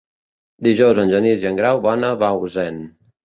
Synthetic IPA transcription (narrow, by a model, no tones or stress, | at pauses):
d̪iʒɔwzənʲʒəniziəŋɡɾawβɔnəβauzɛn